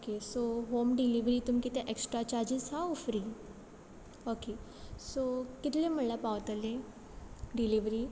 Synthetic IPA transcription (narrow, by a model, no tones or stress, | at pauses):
okesoɦomɖiliʋɾiːt̪umikit̪eʔeksʈɾat͡ɕaɾd͡ʑisaufɾi | okesokit̪lem̤əɳlapaʋət̪əlẽ | ɖiliʋɾiː